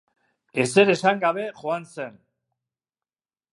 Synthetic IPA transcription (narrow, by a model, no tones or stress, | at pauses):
e̞se̞ɾesaŋɡaβe̞ʝoanse̞n